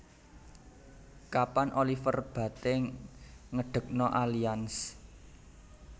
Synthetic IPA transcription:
kapanʔolifərb̥ä̤t̪e | ŋəɖ̥ə̤k̚nɔʔalians

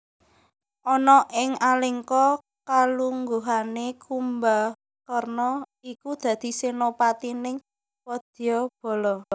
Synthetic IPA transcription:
ʔɔnɔʔɪŋalɪŋkɔ | kaluŋɡuɦanekumba | kərnɔikud̪̥ä̤d̪̥i̤senopat̪inɪŋ | pɔd̪̥ijɔb̥ɔ̤lɔ

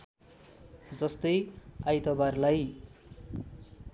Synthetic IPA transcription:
d͡zʌst̪ʌjajt̪ʌbarlaj

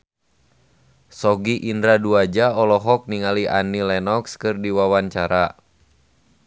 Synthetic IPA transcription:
sɔɡiʔindɾaduad͡ʒaɔlɔɦɔk̚niŋaliʔa̰nilɛnɔkskɨrdiwawaɲt͡ʃaɾa

